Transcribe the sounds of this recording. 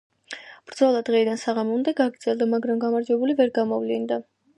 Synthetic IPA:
b̥ɾd̪zɔlˠad̪ʁɛid̪ansaʁamund̪ɛɡaɡɾd̪z̥ɛlˠd̪amaɡɾamɡamaɾd͡ʒwɛbulivɛɾɡamɔvlind̪a

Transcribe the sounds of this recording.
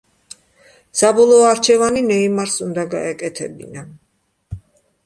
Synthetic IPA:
sabɔlˠɔːaɾt͡ʃʰɛvaninɛimaɾsund̪aɡa̰ɛkʼɛt̪ʰɛbḭna

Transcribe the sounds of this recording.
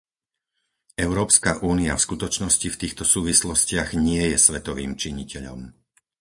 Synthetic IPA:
ɛʊɾɔːpskaʔuːniafskut̪ɔt͡ʃnɔscift̪iːxt̪ɔsuːʋislɔscɪaɣɲɪɛjɛsʋɛt̪ɔʋiːmt͡ʃiɲicɛʎɔ̰m

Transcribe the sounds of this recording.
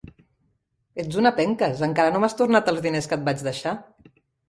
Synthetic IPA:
ed͡zunəpɛŋkəzəŋkaɾənomast̪urnat̪əlˠzðineskət̪̚bat͡ʃðəʃa

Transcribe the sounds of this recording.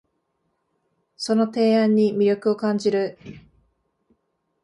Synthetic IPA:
so̞no̞t̪e̞ːãɲ̟ːimʲiɾʲjo̞kɯ̟o̞kãɲ̟d͡ʑiɾɯ̟

